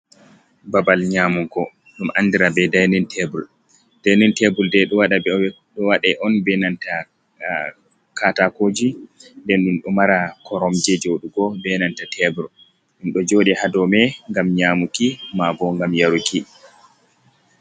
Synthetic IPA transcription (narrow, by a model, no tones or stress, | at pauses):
babalɲaːmuŋkɔ | ɗumʔandiɾabɛdajnintʰɛbul | d̥ajnintɛbuldɛɗɔwaɗa | ɗɔwaɗɛʔɔnbɛnanta | kʰatakod͡ʒindɛnɗinɗɔmaɾakʰɔɾɔmd͡ʒɛd͡ʒowɗuɡɔbɛnantatʰɛbuɾ | ɗinɗɔd͡ʒoːɗɛhadɔmɛŋɡamɲamukimabɔŋɡamjaɾuki